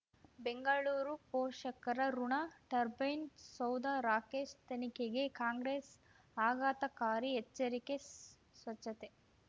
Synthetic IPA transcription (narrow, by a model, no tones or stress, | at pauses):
beŋɡɐɭuːɾupoːʂɐkɐɾɐɾuɳaʈɐɾbɐjnsɐwd̪aɾaːkeːʃt̪ɐnikeɡekaːŋɡɾeːs | aːɡaːt̪ɐkaːɾiet͡ʃːɐɾike | sʋɐt͡ʃːɐt̪e